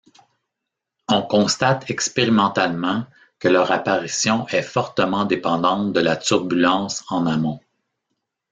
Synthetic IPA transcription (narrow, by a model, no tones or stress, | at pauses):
ɔ̃kɔ̃st̪at̪ɛkspeʁimɑ̃t̪almɑ̃ | kəlœːʁapaʁisjɔ̃ʔɛfɔʁt̪əmɑ̃d̪epɑ̃d̪ɑ̃t̪̚d̪əlat̪uʁbylɑ̃sɑ̃namɔ̃